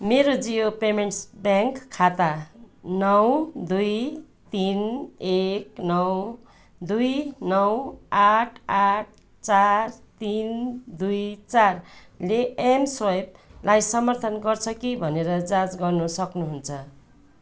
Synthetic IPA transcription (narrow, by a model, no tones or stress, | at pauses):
meɾod͡zijopemeɳʈsbjaŋkkʰːat̪anʌwd̪uj | t̪ineknʌw | d̪ujnʌwaʈʰaʈ̚ʰ | t͡sart̪ind̪ujt͡sar | leemswʌjb̚lajsʌmʌrt̪ʰʌnɡʌrt͡sʰʌkibʱʌneɾʌd͡zad͡zɡʌrnusʌknuɦunt͡sʰʌ